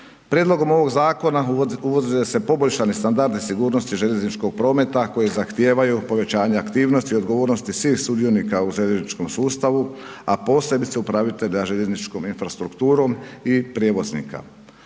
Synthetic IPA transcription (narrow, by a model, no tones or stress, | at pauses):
pɾjed̪lˠo̞ɡo̞mo̞ʋo̞ɡzaːko̞nauʋozilese̞po̞boʎʃanist̪and̪aɾd̪isiɡuːɾno̞st̪iʒe̞ʎe̞znit͡ʃko̞ɡ̚pɾo̞ːme̞t̪ako̞jezaxt̪je̞ːʋajupo̞ʋe̞t͡ɕaːɲeakt̪iːʋnost̪iod̪ɡo̞ʋoːɾnost̪isʋiːxsud̪io̞niːkauʒeʎeznit͡ʃko̞msuːst̪aʋuapo̞ːse̞bit̪seupɾaʋit̪e̞ʎaʒe̞ʎe̞znit͡ʃko̞minfɾast̪ɾukt̪uːɾo̞mipɾʲjeʋo̞znḭːka̰